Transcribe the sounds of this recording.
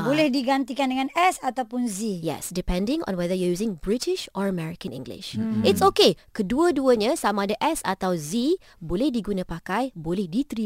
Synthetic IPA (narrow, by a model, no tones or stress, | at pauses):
bolɛhdiɡant̪ikandəŋãnɛsat̪awpʊnzijɛ̰sdipɛ̃ndɪ̃ŋɔ̰̃nwɛðəjuɔjuzɪ̃ŋbɹitɪʃɔɹəmɛɹikə̃nḭ̃ŋɡlɪ̰ʃɪtsokekəduəduəɲãsamãdəʔɛsa̰t̪awzi | bolɛhdiɡunãpakajbolɛhdit̪ɾi